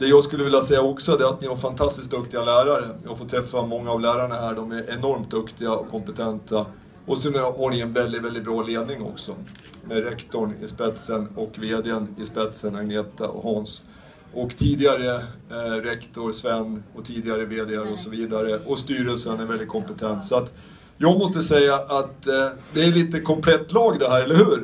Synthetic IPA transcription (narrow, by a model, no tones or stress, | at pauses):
d̪̥ɛjɑːɡskɵlːəvɪljasɛjːaɔksɔd̪ɛɾat̪nɪhaɾfant̪ʰast̪ɪsk̚d̪ɵkt̪ɪɡalæːɾaɾəjɑ̰ːɡfoːʈ̪ʰɾɛfːamɔŋːaːvlæːɾaɳaɦæːɖɔmæɾʔɛnɔɾmt̪̚d̪ɵkt̪ɪɡaɔ̰kʰːɔmpət̪ʰɛnt̪ʰa | ɔsɛnhaɳɪɛnvɛld̪ɪt̪vɛld̪ɪt̪̚bɾɑːleːd̪nɪŋɔ̰ksɔ | mɛɾɛkt̪ɔɳɪ̰spɛt̪sənɔkːveːd̪ɪənɪspɛt̪sənaɡneːt̪a̰ɔ̰hɑns | ɔkt̪ʰiːd̪ɪɡaɾəɾɛkt̪ɔɾsvɛnːɔt̪ʰiːd̪ɪɡaɾəveːd̪ɪaɾɔsɔviːd̪aɾəɔst̪yːɾəlsənæɾvɛld̪ɪt̪̚kʰɔmpət̪ʰɛnt̪sɔat̪ | jɑːɡmɔst̪əsɛjːaʔat̪d̪ɛæliːt̪əkʰɔmpʰlɛt̪ːlɑːɡd̪ɛhæːɾɛlːəɾhʉ̟ːɾ